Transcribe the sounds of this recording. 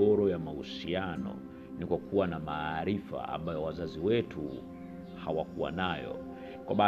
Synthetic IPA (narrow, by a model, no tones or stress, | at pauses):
ɔɾɔjamahusianɔ̰ | nikwakʰuwanamaɾifa̰a̰mbajɔwazaziwɛtʰu | ha̰wakuwa̰najɔ̰ | kwaɓa